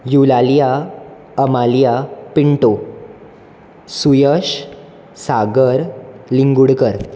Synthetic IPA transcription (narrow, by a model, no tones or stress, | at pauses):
julalija | əmalijapiɳʈo | sujəɕ | saɡəɾliŋɡuɽkəɾ